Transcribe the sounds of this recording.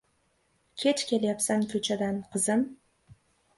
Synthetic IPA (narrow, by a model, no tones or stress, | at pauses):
kʲʰet͡ʃkʲe̞ljapsaŋkʲʰɵt͡ʃʰad̪anqʰɨzɪm